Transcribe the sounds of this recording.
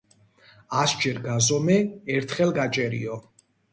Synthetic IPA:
asd͡ʒɛɾɡazɔmɛːɾt̪ʰχɛlɡat͡ʃʼɛɾḭɔ

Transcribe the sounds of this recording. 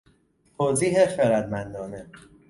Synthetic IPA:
t̪ʰoːziːɦexeɾæd̪mænd̪ɒːne

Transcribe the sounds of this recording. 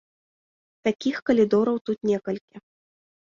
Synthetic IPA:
t̪akʲixkɐlʲid̪ɔɾɐwt̪ut̪nʲɛkɐlʲkʲi

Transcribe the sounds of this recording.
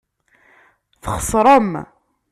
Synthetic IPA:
θχəsˤɾˤɑm

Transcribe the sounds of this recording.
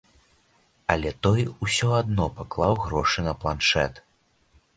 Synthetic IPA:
ɐlʲɛt̪ɔjusʲɔad̪̚nɔpaklˠawɣɾɔʂɨnɐplˠanʂɛ̰t̪

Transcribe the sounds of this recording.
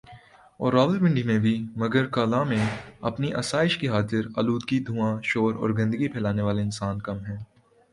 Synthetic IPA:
ɔ̰ːɾːaːʋəʋɪ̃ɳɖimẽbʱimɐɡəɾkaːlãmẽɐpniʔɐ̰saːɪʃkiɦaːzɪɾɐluːd̪̚kid̪ʱũːãʃoːɾɔ̰ːɾɡɐ̃nd̪əɡipʰɛːlaːneʋaːleɪnsaːnkɐmɦɛ̃ː

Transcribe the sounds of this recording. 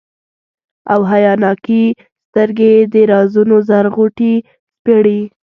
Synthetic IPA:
a̰wɦajɑnɑki | st̪əɾɡed̪əɾɑzunozaɾɣuʈi | spəɽi

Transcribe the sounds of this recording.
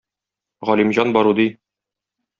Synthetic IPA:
ʁɒlʲimʑɑnbɒɾud̪i

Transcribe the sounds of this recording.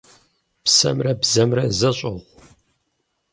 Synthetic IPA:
psɐ̰mrɐbzɐmrɐzɐɕʼɐʁʷ

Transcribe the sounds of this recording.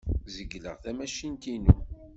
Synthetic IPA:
zəɡlə̰ʁθæmæʃint̪inṵ

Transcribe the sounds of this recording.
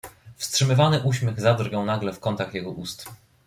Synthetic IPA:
fstʂɘmɘvanɘʔuɕmʲjɛɣzad̪rɡɛw̃naɡlɛfkɔnt̪axjɛɡɔʔust̪

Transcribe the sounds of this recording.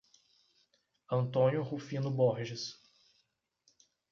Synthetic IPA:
ɐ̃nt̪õnjʊhufĩnʊboɾʒɪs

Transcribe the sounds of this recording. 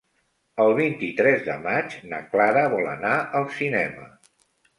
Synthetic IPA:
əlˠβint̪it̪ɾɛzðə̰mat͡ʃna̰klaɾəβɔlə̰naʔəlˠsinɛmə̰

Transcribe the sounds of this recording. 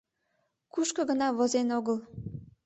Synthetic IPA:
kuʃkəɣənɑβozenoɣəl

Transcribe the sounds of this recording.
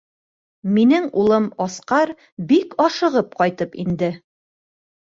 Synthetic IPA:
minɘŋulˠɤmɒsqɑɾ | bikɒʃɤ̆ʁɤp̚qɒjt̪ɤpḭnd̪ɘ

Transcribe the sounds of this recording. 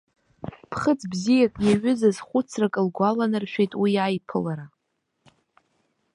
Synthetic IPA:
pʰχət͡sʰbzijakʼjaɥʏzazχʷʊt͡sʰrakʼɨlɡʷalanɨrʃᶣejtʼwijajpʰɨlaɾa

